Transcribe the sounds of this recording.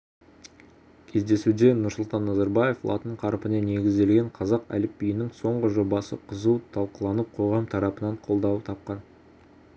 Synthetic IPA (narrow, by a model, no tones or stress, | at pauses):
kʲʰe̞zd̪e̞sud̪e̞nʊɾsʊlˠt̪ɑnːɑzɑɾbɑje̞flˠɑ̰t̪əɴqʰɑɾpənene̞ɡʲɪzd̪e̞lɡʲe̞ɴqʰɑzɑqæ̰lɪpːijɪnɪŋso̞ɴʁəʒo̞bɑsə̰qʰəzuwt̪ʰɑlˠqəlˠɑnəp̚qʰo̞ʁɑmt̪ʰɑɾɑpənɑɴqʰo̞lˠd̪ɑwət̪ʰɑp̚qɑn